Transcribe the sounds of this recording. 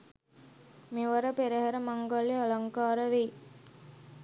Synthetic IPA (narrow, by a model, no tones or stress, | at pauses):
meʋɐɾəpeɾeɦɐɾəmaŋɡalialaŋkaːɾəʋe